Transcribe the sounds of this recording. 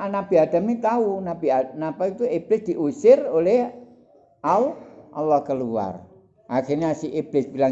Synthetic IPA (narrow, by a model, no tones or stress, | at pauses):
anab̥iad̪̥a̤mnit̪aunabianapait̪ueb̥lɪsd̪̥iʔusɪroleɦ | ʔauʔɑlːɔhkəlua̰r | ʔaxirniasiʔeb̥lɪsbilaŋ